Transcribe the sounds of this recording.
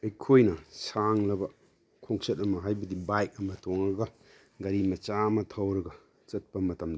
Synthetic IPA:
ɐjkʰojnɐsaŋlɐbɐ | kʰoŋsɐtɐmɐɦajbɐdibajk̚ɐmɐtʰoŋɾɐɡɐ | ɡɐɾimɐt͡ʃamɐtʰɐwɾɐɡɐ | t͡ʃɐt̚pɐmɐtɐmd

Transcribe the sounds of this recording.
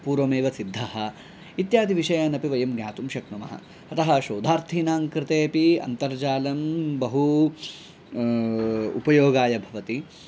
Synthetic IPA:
puːɾʋɐmeːʋɐsid̪ʱːɐɦɐ | it̪jaːd̪ʱiʋiʃɐjaːnɐpiʋɐjɐmɡja̰ːt̪umʃɐknɐmɐ̰ɦɐ̰ | ɐt̪ɐɦɐ̆ʃoːd̪ʱaːɾt̪ʰiːnaːŋkɾɪt̪eːɐpiɐ̰nt̪ɐɾd͡ʒaːlɐmbɐɦu | ṵpɐjoːɡaːjɐbʱɐʋɐt̪i

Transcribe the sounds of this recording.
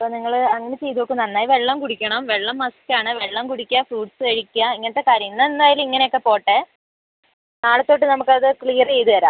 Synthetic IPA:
ɐpːoːniŋːɐɭɐŋːɐnet͡ɕe̞jðuʋokːɨmnɐnːaːjiʋeɭːɐmkuɽikʲːɐɳɐmʋe̞ɭːɐmːɐskːaːɳɨʋeɭːɐmkuɽikʲːafɾuːɖsɨɐɻikʲːuɐiŋːɐnɐt̪ːekaːɾjɐŋɨnːɐend̪aːjilumiŋːɐnejokːe̞po̞ːʈːe | naːɭɐt̪ːo̞ːʈːɨnɐmukːɐðɨkɭiːɐrt͡ɕe̞jt̪ɨʋɐɾa̰ːm

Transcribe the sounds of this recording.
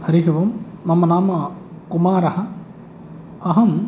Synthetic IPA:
hɐɾiɦiʋɐmːɐmɐnaːmɐkumaːɾɐhɐ̆ | ɐɦɐm

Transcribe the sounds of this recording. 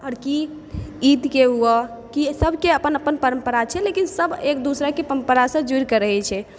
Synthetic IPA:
əɾki | id̪keɦuə | kisəbʱkeəpənəpənpəɾəmpəɾat͡ʃʰɛlekinsəbʱek̚d̪usɾəkepəɾəmpəɾasə̃d͡ʒuɾkəɾəɦɛt͡ʃʰɛ

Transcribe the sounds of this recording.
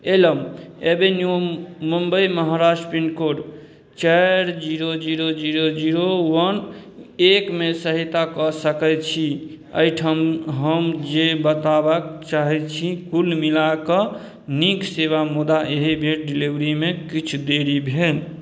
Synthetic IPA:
eləmebenjumumbəiməɦaɾasʈəpiɳɖkoɾ | t͡ʃɛɾd͡ʒiɾod͡ʒiɾod͡ʒiɾod͡ʒiɾowənekmesəɦit̪akɔsəkɛt͡ʃʰi | ə̰jʈʰəmɦəmd͡ʒebət̪abakt͡ʃaɦɛt͡ʃʰikulmilakə | nikseβamud̪aʔeɦebʱeɾɖiliʋɾimekit͡ʃʰud̪eɽibʱen

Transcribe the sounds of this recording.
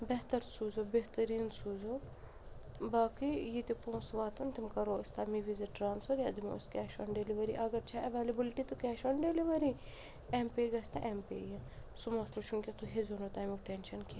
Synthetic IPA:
beɦt̪ɐɾsʰuːzoːbeɦt̪ɐɾiːnsʰuːzo | baːkijit̪ipõːsʋaːt̪ɐnt̪imkɐɾoːst̪amiʋizɐʈɾaːnsfɐɾjɐd̪imo̰skʲɛːʃɐ̰nɖeliʋɐɾiʔɐɡɐɾt͡ʃʰaʔɐʋeːlɐbilʈit̪ukʲɛːʃɐɳɖeːliʋɐɾi | empeːɡɐsʲt̪aʔempḛːjɐsumɐslɐʃʰunkʲet̪uɦezonot̪aːmikʈeːnʃɐnki

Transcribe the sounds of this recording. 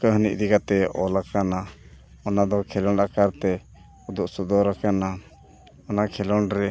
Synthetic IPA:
kəɦənḭʔd̪iɡat̪ɛɔlakana | ɔnad̪ɔkʰɛlɔɳakaɾt̪ɛ | ud̪uʔsud̪ɔɾakana | ɔnakʰɛlɔnɾɛ

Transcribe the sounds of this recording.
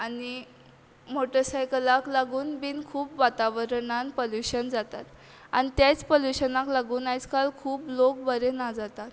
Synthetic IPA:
ani | moʈəɾsajkəlaklaɡuːnbiːnkʰuːpʋat̪aʋəɾɳanpoljuɕənd͡zat̪at̪ | a̰nit̪jat͡spoljuɕənaklaɡuːnajt͡skalkʰuːplok̚bəɾenad͡zat̪at̪

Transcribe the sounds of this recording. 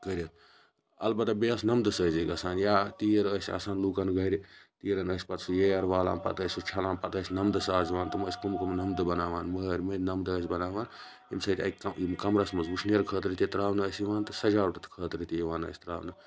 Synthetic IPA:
kəɾʲɐt̪ | ɐ̰lbɐt̪abeːɐsnɐmd̪ɨsəːziɡɐsaːnjaːt̪iːɐɾəːsʲa̰ːsaːnluːkɐnɡɐɾʲit̪iːɾɐnəːsʲpɐt̪sujeːɐɾʋaːla̰ːnpɐ̰t̪əːsʲut͡ʃʰɐlãːnpɐt̪əːsʲnɐmd̪ɨsaːziʋaːnt̪ɨmɐːsʲkumkumnɐmd̪ɨbɐnaːʋaːnməɾʲmɐnɐmd̪əːs̬ʲbɐnaːʋaːn | imsɐːt̪ʲɐ̰kɐimkɐmɾɐsmɐzuʃnjɐɾkʰəːt̪ɾit̪ʲit̪ɾaːʋnɐəsiʋaːnt̪ɨsɐd͡ʒaːɾuʈɐt̪ʰkʰəːt̪ɾit̪iʋaːnə̰ːsʲt̪ɾa̰ːʋnɐ

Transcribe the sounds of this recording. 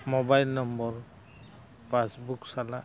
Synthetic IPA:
mɔbajlnɔmbɔɹ | pasbuksala

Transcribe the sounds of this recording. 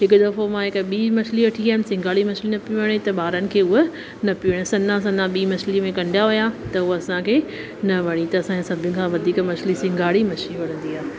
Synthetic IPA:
ɦɪkʊd̪ɐfomãɦɪkɓiːmɐsʰliʋɐʈʰiaːɪnɪsɪ̃ŋɡʱaːɭimɐsʰlinɐpiʋɐɽ̃et̪ɐɓaːɾənɪ̆kʰeːʊɦo | nɐpiəɽ̃ẽsɐnãs̬ɐ̃nãɓiːmɐsʰlimẽkɐ̃ɳɖjaɦʊjãt̪ɐʊɦoɐsãkʰeː | nɐʋɐɽ̃it̪ɐːsãkesɐbʱɪʊnɪ̆kʰãːʋɐd̪ʱiːkmɐt͡ʃʰlisɪ̃ŋɡʱaːɽimɐt͡ʃʰliʋɐɽ̤̃ə̃nd̪iaːɦe

